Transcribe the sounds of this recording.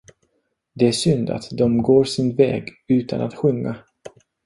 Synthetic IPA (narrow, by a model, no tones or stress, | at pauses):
d̪ɛæʂʏnd̪a̰t̪d̪ɔmɡoːɾʂɪnvɛ̰ːɡʉ̟ːt̪ʰa̰nat̪ɧɵŋːa